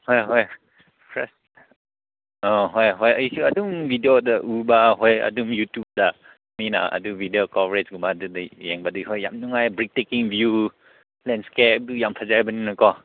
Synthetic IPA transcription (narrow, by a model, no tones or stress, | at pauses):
hɔjɦɔj | pʰɾɛs | ɔɦɔjɦɔjaisuaduŋvʱidiodaʔubaɦɔja̰dumjutjub̚da | mina̰a̰duvideokɔvɹed͡ʒɡubadudajɛŋbadujɦɔjːa̰mnuŋajbɾik̚tekiŋbju | lɛnskɛp̚dujampʰazajbaninakɔ